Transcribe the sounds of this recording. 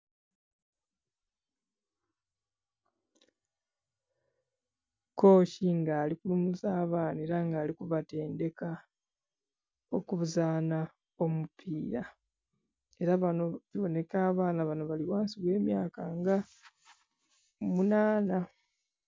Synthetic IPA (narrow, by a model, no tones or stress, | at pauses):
ko̞ːciŋɡaːlikulumuzaːβaːneːɾaŋɡaːlikuβate̞ːnde̞ka | o̞kuβuzaːna | o̞mupʰiːɾa | e̞ɾaβanoβiβo̞ne̞kaːβaːnaβano̞βaliβwaːnsiβwe̞ːmjaːkaŋɡa | munaːna